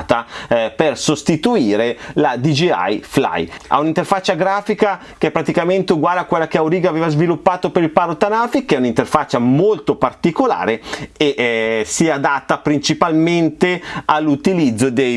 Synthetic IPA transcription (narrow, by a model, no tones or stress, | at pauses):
t̪apersost̪it̪uiːɾelad̪id͡ʒia̰jfla̰ja̰unint̪erfat͡ʃːaɡɾaːfika | kepːɾat̪ikament̪euɡwaːleakwelːakeawɾiːɡaveːvazvilupːaːt̪opeɾilpaɾot̪anafikːeɛunint̪erfat͡ʃːamolt̪opart̪ikola̰ːɾeeʔsiad̪at̪ːapɾint͡ʃipalment̪ealːut̪ilid̪zːod̪ej